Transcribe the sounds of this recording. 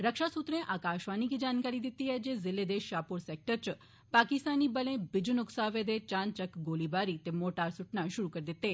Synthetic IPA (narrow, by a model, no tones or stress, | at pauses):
ɾəkʃasut̪ɾẽʔakaʃʋanikid͡ʒankaɾid̪it̪iɦɛd͡ʒezɪled̪eʃjapuɾsek̚ʈəɾt͡ʃ | pakist̪anːibəlẽbɪd͡ʒunʊksaʋed̪et͡ʃãnt͡ʃəkɡolibaɾit̪emoʈaɾsuʈnãʃʊɾukəɾid̪it̪e